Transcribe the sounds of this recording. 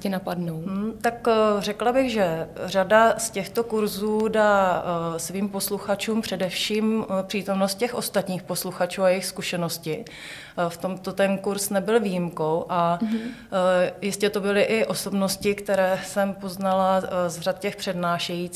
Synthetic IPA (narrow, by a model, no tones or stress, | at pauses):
cɪnapadnow̩t̪akrɛklabɪɣʒɛradascɛxt̪okuɾzuːdaːsviːmposluxat͡ʃuːmpr̥ɛdɛfʃiːmpr̥iːt̪o̞mnost̪̚cɛxʔo̞st̪at̪ɲiːxpo̞sluxat͡ʃuːajɛɪxskuʃɛnoscɪ | ft̪o̞mt̪o̞t̪ɛnkuɾsnɛbɪlviːjɪmkowʔa | jɪscɛt̪obɪlɪʔɪʔo̞so̞bno̞scɪkt̪ɛɾɛːsɛmpo̞znalazrat̪̚cɛxpr̥ɛdnaːʃɛjit͡s